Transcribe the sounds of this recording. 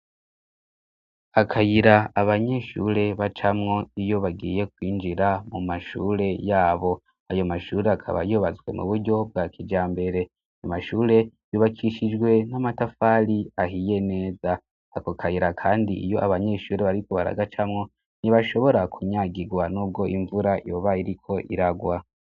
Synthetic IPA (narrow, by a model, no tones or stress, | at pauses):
akʰajiɾaːβaɲe̞ʃṵɾe̞βat͡ʃamŋo̞ijo̞βaɡḭːje̞k̚wiːnd͡ʒiɾamumaʃuːɾe̞jaːβo̞ | ajo̞maʃuːɾe̞akʰa̰βa̰juβazɡwe̞̰mṵβuɾɟo̞b̚ɡakʰid͡ʒaːmbe̞ɾe̞ | namaʃuːɾe̞juβakʰiʃid͡ʒɡwe̞namatafaːɾiaɦije̞ne̞ːza | akokʰaiɾakʰaːndiʔḭjo̞ʔaβaɲe̞ːʃuːɾe̞βaɾikoβaɾa̰ɡat͡ʃamŋo̞ | niβaʃo̞βo̞ɾakʰuɲaːɡiɡwanuːb̚ɡo̞ʔiɱvuɾajoβaiɾikʰo̞ʔiɾaɡwa